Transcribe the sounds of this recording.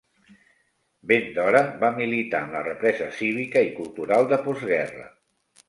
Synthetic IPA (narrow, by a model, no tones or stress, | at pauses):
bend̪ɔɾəbamilit̪aəmlərəpɾɛzəsiβ̞ikəikulˠt̪uɾalˠd̪əpɔzɣɛrə̰